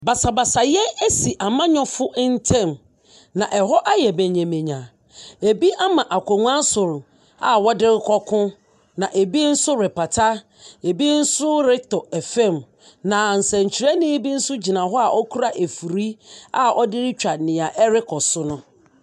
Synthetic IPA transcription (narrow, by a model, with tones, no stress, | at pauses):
ba˨sa˨ba˨sa˨jɛ˦e˦si˨ʔa˨mã˦ɲɔ̃˦fʊ˦ʔn̩˦tʰɛ̃˦˨m | nã˨ʔɛ˨ɦɔ˦ʔa˦jɛ˨bɛ˨ɲɛ̃˨mẽ˨ɲã˨ | e˨bi˦ʔa˦mã˨ʔa˨kʰʷɔ˨ŋʷ˦ã˦sʊ˨ɾʊ˨ | a˨wɔ˦dɪ˦ɾɪ˦kʰɔ˦kʰʊ̃˦ | nã˨ʔe˨bi˦n̩˦sʊ˦ɾɪ˨pʰa˨tʰa˦ | e˨bi˦n̩˦sʊ˦ɾɪ˦tʰɔ˨ɛ˨fɛ̃˦˨m | nã˨n̩˨sɛ̃˨ɲ̩˨t͡ɕʰi˨ɾɛ˦nɪ̃˦e˦bi˦n̩˦sʊ˦d͡ʑi˨nã˨ɦɔ˦a˨ʔɔ˦kʰu˦ɾa˦ʔe˨fu˨ɾi˦a˨ʔɔ˦dɪ˦ɾɪ˦t͡ɕᶣa˨nɪ̃˨a˨ʔɛ˦ɾɪ˦kʰɔ˨sʊ˦nʊ̃˦